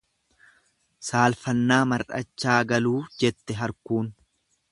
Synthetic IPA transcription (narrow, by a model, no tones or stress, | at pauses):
saːlfɐnːaːmɐɾʔɐ̰t͡ʃːaːɡɐluːd͡ʒɛt̪ːɛɦɐɾkuːn